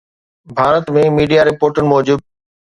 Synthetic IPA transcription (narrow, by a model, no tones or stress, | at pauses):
bʱaːɾət̪mẽmiːɖijaɾɪpoːɾʈənɪ̆mɔːd͡ʑuːd̪̚